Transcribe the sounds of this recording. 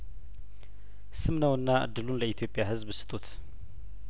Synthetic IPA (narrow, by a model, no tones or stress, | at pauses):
sɨmnɐwɨnːaʔɨ̰d̪ːɨlunləit̪ʰjo̞pʼjaɦɨzbɨsɨ̥t̪ʼot̪ʰ